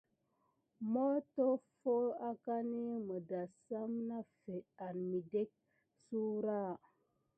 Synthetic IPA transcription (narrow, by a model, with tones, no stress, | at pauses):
mo˦to˦fo˦a˦ka˦ni˦mə˨da˨sa˦mna˦fe˨a˨nmi˨de˦k̚ | su˦ɾa˦˨